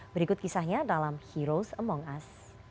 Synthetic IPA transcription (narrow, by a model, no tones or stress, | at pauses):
bəɾikʊt̪̚kisahɲadalamhiɾosəmɔŋas